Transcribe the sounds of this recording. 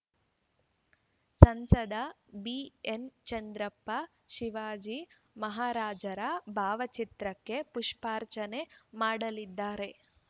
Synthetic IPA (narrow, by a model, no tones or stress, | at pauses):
sɐnsɐd̪ɐ | bient͡ʃɐnd̪ɾɐpːɐ | ʃiʋaːd͡ʒi | mɐɦaːɾaːd͡ʒɐɾɐbʱaːʋɐt͡ʃit̪ɾɐkːe̞puʂpaːɾt͡ʃɐne̞maːɽɐlid̪ːaːɾe̞